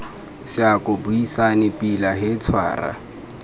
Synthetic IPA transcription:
sɪakʼʊbuisanɪpʼilaɦɪt͡sʰwa̰ːra̰

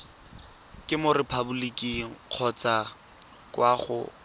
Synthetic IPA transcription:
kʼɪmʊrɪpʰabulikʼiq͡χʰɔt͡sa | kwaχʊ̰

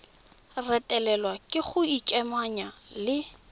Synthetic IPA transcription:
rɛtʼɛlɛlwakʼɪχʊikʼɛmaɲalɪ

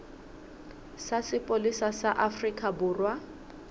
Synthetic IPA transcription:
sasɪpʼolisasaʔafrikʼabʊːrwa

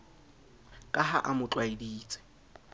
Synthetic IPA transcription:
kʼaɦa̰ʔamʊt͡ɬʼwaidiːt͡sʼɪ̥

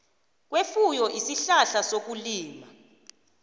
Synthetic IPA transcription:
k̬wefujɔʔisiɬaɬasok̬uliːma

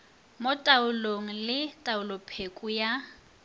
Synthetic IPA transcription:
motʼaʊloŋ̩lɪtʼaʊlɔpʰekʼuja

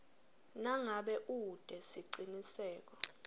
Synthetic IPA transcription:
naŋaɓɛʔud̥ʱɛsiǀinisɛːk̬ɔ

